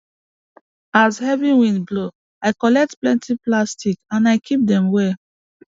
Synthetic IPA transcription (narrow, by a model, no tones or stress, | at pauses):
azhɛvĩwĩnblo | aɪkɔlɛk̚tplɛ̃ntʰiplastikãnaɪkʰip̚dɛ̃mwɛ